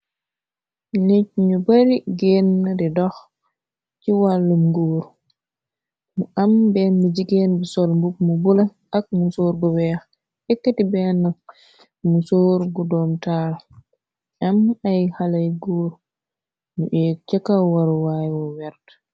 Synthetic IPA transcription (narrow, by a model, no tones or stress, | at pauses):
nit͡ʃ̚ɲubaɾiɡenːdɛdɔx | t͡ʃiwalːumɡoːɾ | muʔambɛmid͡ʒiɡenbisɔlmbuk̚mubula | ak̚musoːɾɡɔwɛx | ɛkːatibɛnak | musoɾɡɔdɔmtaːl | ʔamajhalajɡoːɾ | nuʔɛt͡ʃakːawaɾwajwɔwɛɾt